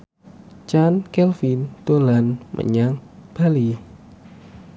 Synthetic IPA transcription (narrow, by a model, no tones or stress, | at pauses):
t͡ʃankɛlfint̪olanmʔə̰ɲaŋb̥ali